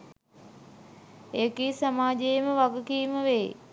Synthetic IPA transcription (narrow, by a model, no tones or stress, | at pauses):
eːkiːsamaːd͡ʒejməʋaɡəkiːməʋeː